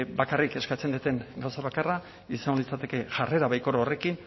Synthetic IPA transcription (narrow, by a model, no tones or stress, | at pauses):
bakarike̞skat͡send̪it̪e̞ŋɡawsaβakara | isaŋolit͡sat̪e̞ke̞ʝare̞ɾaβajko̞ɾaore̞kin